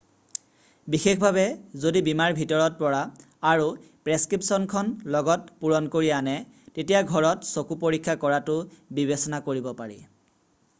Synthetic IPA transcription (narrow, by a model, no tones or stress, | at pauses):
bixekʰbʱabɛzodibimaɹbʱitɔɹɔt̚pɔɹaː | ɹu | pɹeskɹipsɔnkʰɔnlɔɡɔt̚puɹɔnkoɹianɛ | tetijaɡʱɔɹɔtsokupoɹikʰːakɔɹatʊbibesɔnakoɹibɔpaɹḭ